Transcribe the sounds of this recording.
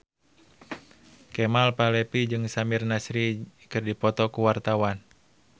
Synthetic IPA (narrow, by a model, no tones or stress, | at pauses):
kɛmalpalɛpid͡ʒɨŋsamirnasɾikɨrdipɔt̪ɔkuwart̪awan